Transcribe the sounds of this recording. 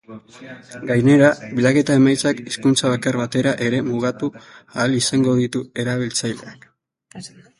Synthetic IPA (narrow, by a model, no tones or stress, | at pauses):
ɡajne̞ɾaβilake̞t̪ae̞majt͡sakiskunt͡saβakarβat̪e̞ɾaʔe̞ɾe̞muɣ̞at̪uaːlisaŋɡo̞ðit̪ue̞ɾaβ̞ilt͡sajle̞̰ak